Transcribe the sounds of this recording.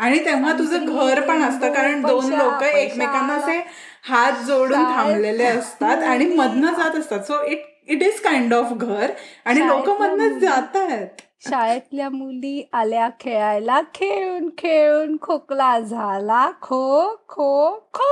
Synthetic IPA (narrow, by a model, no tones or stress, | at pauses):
aɽ̃it̪ẽʋ̤at̪ud͡zʱəɡʱəɾpəɳəst̪əkaɾəɳbd̪onlokəekmekanːase | hat̪̚d͡zoɽuːnt̪ʰãmleleəst̪at̪aɽ̃iməd̪nəd͡zat̪əst̪at̪soiʈ | iʈizkajɳɖɔfɡʱəɾaɽ̃ilokəməd̪nət͡sd͡zat̪aɦet̪̚ | ɕajət̪ljamuliːʔaljakʰeɭajlakʰeɭuːnkʰeɭuːnkʰoklad͡zʱalakʰokʰokʰo